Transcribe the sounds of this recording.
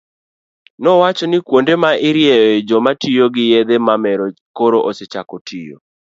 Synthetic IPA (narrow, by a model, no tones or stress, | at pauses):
nɔwat͡ʃɔnɪkwondemaɪɾjeed͡ʒomatʰijoɡɪjed̪emamɛɾɔ | koɾoʔoset͡ʃakɔtʰijo̰